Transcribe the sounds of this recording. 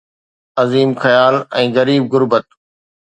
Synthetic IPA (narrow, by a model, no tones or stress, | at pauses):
ɐziːmxɐjaːlɛ̃ːɣɐɾiːb̚ɣʊɾbət̪̚